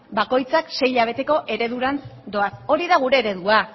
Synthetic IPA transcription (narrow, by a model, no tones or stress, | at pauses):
bako̞jt͡sakse̞jʎaβ̞e̞t̪e̞ko̞ʔe̞ɾe̞ðuɾand̪o̞aso̞ɾiðaɣ̞uɾe̞ːɾe̞ðua